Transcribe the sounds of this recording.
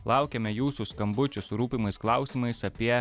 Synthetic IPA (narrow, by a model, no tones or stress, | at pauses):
lˠɐˑʊkʲɛmʲɛjuːsʊskɐmbʊt͡ʃʲʊsɾuːpʲimɐɪsklˠɐˑʊsʲiːmɐɪsɐpʲiɛ